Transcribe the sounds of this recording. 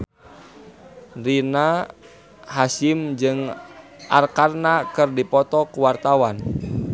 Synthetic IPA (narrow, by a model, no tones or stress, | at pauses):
rina | hasimd͡ʒɨŋʔa̰rkarnakɨrdipɔt̪ɔkuwart̪awan